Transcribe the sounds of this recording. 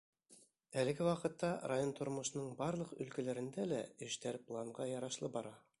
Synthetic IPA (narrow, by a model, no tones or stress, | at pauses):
ælɘ̆ɡɘwɑqɤ̆t̪ːɑɾajont̪ʰŏɾmŏʃ̆nɤɴbɑɾlˠɤqɵ̰̆lkælæɾɘ̆nd̪ælæɘ̆ʃt̪æɾplˠaɴʁɑjɑɾɑʃlˠɤbɑɾɑ